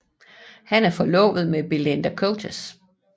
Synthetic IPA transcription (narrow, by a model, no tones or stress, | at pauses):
hænæɐfɒ̽lɔ̰̽ːʋð̞̩ˠmeb̥elend̥ækʰoʊt͡sʰes